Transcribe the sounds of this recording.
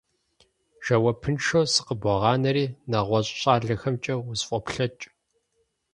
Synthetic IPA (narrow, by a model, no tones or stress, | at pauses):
ʒ̥ɐwɐpʰɨnʃoːsɨ̥qəbʷɔʁɑːnɐɾiːnɐʁʷɔɕʼɕʼɑːɮɐxɐmt͡ʃʼɐwʊzfʼɔpɬɐt͡ʃʼ